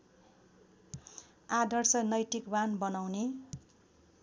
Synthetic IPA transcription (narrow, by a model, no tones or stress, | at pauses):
ad̪ʱʌrsʌnʌjt̪ikbanbʌnawne